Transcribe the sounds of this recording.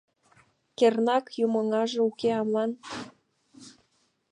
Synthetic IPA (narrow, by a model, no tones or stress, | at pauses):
kernɑkjumɤ̆ŋɑʒĕukeɑmlɑn